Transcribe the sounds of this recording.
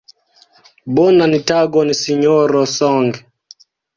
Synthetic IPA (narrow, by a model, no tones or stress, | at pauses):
bɔnanitaɡɔnisiɲɔɾɔsɔŋɡɛ